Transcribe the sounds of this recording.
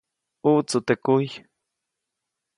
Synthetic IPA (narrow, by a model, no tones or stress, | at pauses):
uʔt͡sut̪ekuj